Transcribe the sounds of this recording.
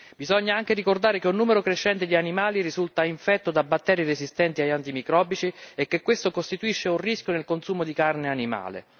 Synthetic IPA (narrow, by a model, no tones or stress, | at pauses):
bizɔɲːaaŋk̟eɾikord̪aːɾekeunːuːmeɾokɾeʃːɛnt̪ed̪ianimaːlirizult̪aiɱfɛt̪ːod̪abːat̪ːɛːɾjirezist̪ɛnt̪iajant̪imikɾɔbːit͡ʃiekːekːwest̪okost̪it̪uiʃːeunriskjonelkonsuːmod̪ikarneanima̰ːlḛ